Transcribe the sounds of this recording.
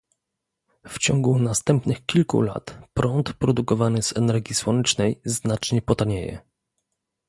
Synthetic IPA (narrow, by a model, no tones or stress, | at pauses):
ft͡ɕɔŋɡunast̪ɛmpnɘxkʲilkṵla̰t̪pɾɔnt̪pɾɔd̪ukɔvanɘzɛnɛɾɡʲjiswɔnɛt͡ʂnɛjznat͡ʂɲɛpɔt̪aɲejɛ̰